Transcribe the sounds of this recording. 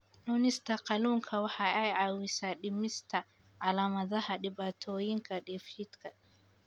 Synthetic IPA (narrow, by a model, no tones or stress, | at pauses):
nuːnɪst̪ʰɐqɑluːŋkʰɐwɑħɑːʔɛjʕɑːwɪsaːɗɪmɪst̪ʰɐ | ʕɑlaːmɐðɐhɐɗɪβaːt̪ʰɔːjɪŋkʰɐɗɛfiːd̪kʰɐ